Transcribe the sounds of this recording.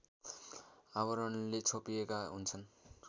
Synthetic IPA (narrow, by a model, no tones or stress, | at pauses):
awʌɾʌnlet͡sʰopijekaɦunt͡sʰʌn